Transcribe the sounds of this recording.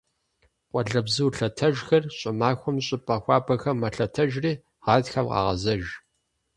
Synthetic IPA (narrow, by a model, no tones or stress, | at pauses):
qʷʼɔɮɐbzɨwɬɐtʰɐʒxɐrɕʼɪmaːxʷɔmɕʼɪpʼɐxʷɑːbɐxɐmːɐɬɐtʰɐʒriː | ʁɑːtxɐmqɑ̰ːʁɐ̰zɐʒ